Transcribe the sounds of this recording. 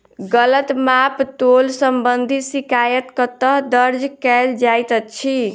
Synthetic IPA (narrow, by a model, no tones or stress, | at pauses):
ɡələt̪mapt̪olsəmbənd̪ʱisikajət̪kət̪əɦd̪əɾd͡ʒkɛld͡ʒajt̪ət͡ʃʰi